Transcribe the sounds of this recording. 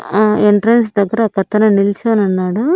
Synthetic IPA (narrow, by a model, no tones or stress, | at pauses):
eɳʈɾɐns̬d̪ɐɡːɐɾɐkɐt̪ːɐnɐnilt͡ʃɐːnɐnːaːɽu